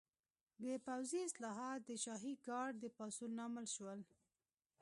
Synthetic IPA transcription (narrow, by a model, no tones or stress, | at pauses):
b̪əpawziɪslɑɦɑt̪̚d̪əʃɑɦiɡɑɖ̚d̪əpɑsunɑməlʃwəl